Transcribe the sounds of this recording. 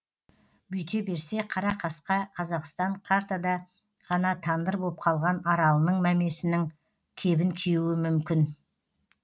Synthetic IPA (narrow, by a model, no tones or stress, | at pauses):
bʏjt̪ʲʰe̞be̞ɾse̞qʰɑɾɑqʰɑsqɑqʰɑzɑqst̪ɑɴqʰɑɾt̪ad̪ɑ | ʁɑnɑt̪ʰɑnd̪əɾbo̞p̚qʰɑlˠʁɑnɑɾɑlˠənəɴmæme̞sɪnɪŋ | kʲʰe̞bɪŋkʲʰejuwɪmʏmkʲɪn